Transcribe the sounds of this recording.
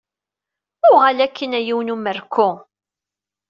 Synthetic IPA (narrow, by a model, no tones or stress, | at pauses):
ʊʁælækʰːənæjiwnuməɾkʰːʊ